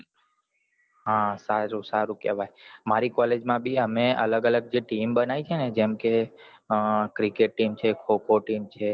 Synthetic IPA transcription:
ɦãsaɾũsaɾũkḛʋajmaɾikɔled͡ʒmãbʱiəmeələɡələɡ̚d͡ʒeʈimbənaʋit͡ʃʰened͡ʒemke | kɾikeʈ̚ːimt͡ʃʰekʰokoʈimt͡ʃʰe

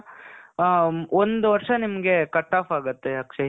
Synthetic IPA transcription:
ond̪uʋɐɾʂɐnimɐɡe̞kɐʈːaːpaːɡɐt̪ːejaːkʂɐ

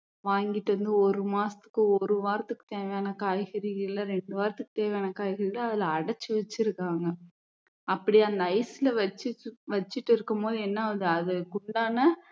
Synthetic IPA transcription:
ʋaːŋɡɪʈːɐʋɐnd̪ɯɔɾɯmaːsɐ̥t̪ɯ̥kːɯ̃ɔɾɯʋaːɾɐt̪ːɯkːɯ̥t̪eːʋɛjaːnɐkaːjɣɐɾɪɪlːɐɾɛɳɖɯʋaːɾɐt̪ːɯkːɯt̪eːʋɛjaːnɐkaːjɣɐɾɪlːɐːðɪlɐːɽɐt͡ʃːɯʋɐt͡ʃːɪɾɯkːaːŋɡɐ | pːɐɽiɐnd̪ɐɐɪsɪlɐʋɐt͡ʃːɯʋɐt͡ʃːɪʈːɪɾɯkːɯmpoːðɯɛnːaɐðɯɐðɯkʊɳɖaːnɐ

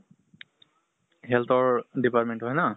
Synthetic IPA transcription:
ɦɛlt̪ʰɔɹdipatmẽntɦɔjna

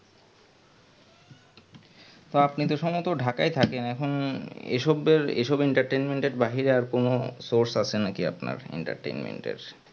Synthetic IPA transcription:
t̪oapnit̪oʃɔmot̪oɖʱakajt̪ʰakenɛkʰonḛʃɔbeɾḛʃɔbeɳʈaɾʈejnmeɳʈeɾbaɦiɾeaɾkonosoɾsat͡ɕʰenakia̰pna̰ɾḛɳʈa̰ɾʈḛjnmḛɳʈḛɾ

